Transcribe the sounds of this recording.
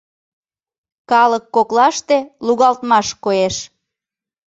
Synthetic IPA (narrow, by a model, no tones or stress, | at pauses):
kɑləkːoklɑʃt̪eluɣɑlt̪mɑʃkoeʃ